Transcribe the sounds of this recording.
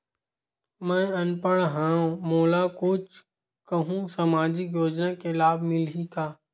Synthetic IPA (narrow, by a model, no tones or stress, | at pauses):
mɛ̃ːɐnpəɽɦãːõmoːlakʊt͡ʃ | kəɦũsamaːd͡ʒɪkjoːd͡ʒnakelaːbʱmɪlikaː